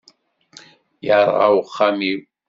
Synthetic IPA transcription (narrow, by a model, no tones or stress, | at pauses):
jara̰wχami